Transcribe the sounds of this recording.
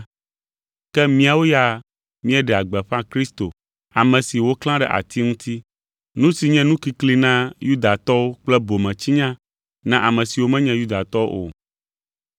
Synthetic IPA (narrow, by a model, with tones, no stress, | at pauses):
kɛ˦mĩ˦a˨wo˦ja˦ | mĩ˦ɛ˦ɖɛ˨a˨ɡ͡bɛ˨ɸã˦kɾi˦st̪o˨ | a˨mɛ̃˨si˨wo˦kl̃ã˦ɖɛ̰˦˨ʔa̰˨t̪ʰi˦ŋũ˦t̪i˦ | nũ˦si˨ɲɛ̃˦nũ˦ki˦kli˦nã˦ju˦d̪a˨t̪ɔ˦wo˦k͡plɛ˦bo˨mɛ̃˨t͡ɕi˦ɲã˦ | nã˦ʔa˨mɛ̃˨si˨wo˦mɛ̃˦ɲɛ̃˦ju˦d̪a˨t̪ɔ˦o̰˦ʔo̰˨